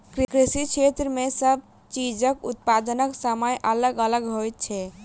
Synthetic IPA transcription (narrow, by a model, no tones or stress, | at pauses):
kɾikɾisikt͡ʃʰet̪ɾəmesəb̚ | t͡ʃid͡ʒəkut̪̚pad̪ənəksəməjʔələɡələɡɦojt̪̚t͡ʃʰɛ